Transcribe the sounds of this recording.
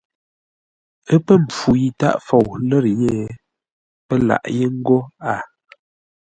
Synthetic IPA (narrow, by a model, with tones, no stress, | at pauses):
ə˦pə˦m̩˨p͡fu˨ji˨ta̰˦ʔfɔ˨wlə˦ɾje˦˨ | pə˦la̰˨ʔje˦ŋ̩˦ɡo˦a˨